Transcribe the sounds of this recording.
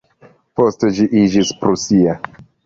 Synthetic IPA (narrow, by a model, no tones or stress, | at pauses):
po̞ste̞d͡ʒiʔid͡ʒispɾusia